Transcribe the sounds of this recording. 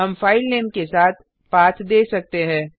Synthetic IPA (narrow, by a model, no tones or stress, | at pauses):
ɦɐmfaːɪlleːmkesaːt̪̚ʰ | paːt̪ʰd̪eːsɐk̚t̪eɦɛ̃ː